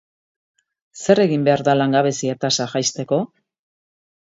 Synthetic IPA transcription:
se̞re̞ɣimbe̞aɾðalaŋɡaβe̞siat̪asaʝajst̪e̞ko̞

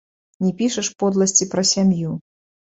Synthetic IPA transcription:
nʲɛpʲiʂɐʂpɔd̪lˠɐsʲt͡sʲipɾɐsʲamju

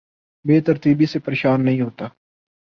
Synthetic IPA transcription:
beːt̪əɾt̪iːbisepəɾeːʃaːnːəɦĩːɦoːt̪aː

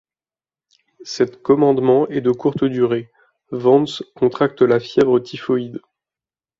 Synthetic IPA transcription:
sɛt̪kɔmɑ̃d̪mɑ̃ɛd̪əkuʁt̪əd̪yʁe | vɑ̃nskɔ̃t̪χak̚t̪lafjɛvʁət̪ʰifɔid̪

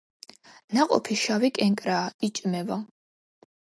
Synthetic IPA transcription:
naqʼɔ̰pʰiʃavikʼɛŋkʼɾaːit͡ʃʼmɛva

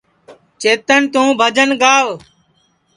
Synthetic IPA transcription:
t͡ʃeːt̪ənt̪ũːbʱəd͡ʒənɡaːʋ

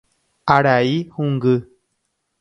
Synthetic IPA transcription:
aɾaihuŋɡɨ

